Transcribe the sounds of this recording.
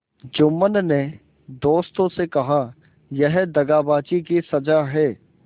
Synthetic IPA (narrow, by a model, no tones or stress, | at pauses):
d͡ʒʊmːənne | d̪oːst̪õsekɐɦa | jɛɦd̪ɐɡaːbaːt͡ʃikisɐd͡ʒaɦɛː